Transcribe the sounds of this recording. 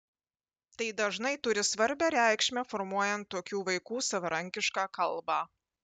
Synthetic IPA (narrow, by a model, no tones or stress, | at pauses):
t̪ɐɪd̪ɐʒnɐɪt̪ʊɾʲɪsʋɐɾʲbʲæɾʲæˑɪkʃʲmʲɛfɔɾmuɔjɛnt̪ːoːkʲuːʋɐɪkuːsɐʋɐɾɐŋʲkʲɪʃkaːkɐlˠbɑː